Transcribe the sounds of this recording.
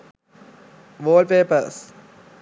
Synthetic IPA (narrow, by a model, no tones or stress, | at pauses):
ʋoːlpeːpəɾs